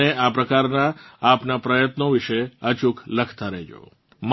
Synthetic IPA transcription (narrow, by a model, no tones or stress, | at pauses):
eapɾəkaɾnaːpnapɾəjət̪noʋiʃeət͡ʃukʰləkʰt̪aɾed͡ʒo̰ | m